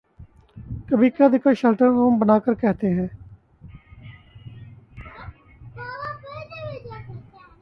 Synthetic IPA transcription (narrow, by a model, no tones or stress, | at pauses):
kəbʱiːkad̪ɪkəʃəlʈəɾoːəmbənaːkəɾkɛɦt̪eɦɛ̃ː